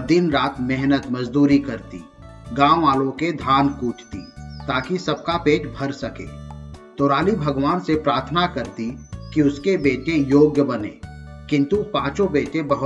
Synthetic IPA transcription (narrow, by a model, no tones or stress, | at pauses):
d̪ɪnɾaːt̪mɛɦnət̪mɐd͡ʒd̪uːɾikɐɾt̪ḭː | ɡãːʋaːlõked̪ʱaːnkuːʈʰt̪ḭt̪aːkisɐb̚kapeːʈbʱɐɾsɐkḛːt̪oːɾaːlibʱɐɡʋaːnsepɾaːɾt̪ʰnakəɾt̪ikiʊskebeːʈejoːɡjəbɐnḛː | kɪ̃nt̪upãːt͡ʃõbeːʈebɐɦʊ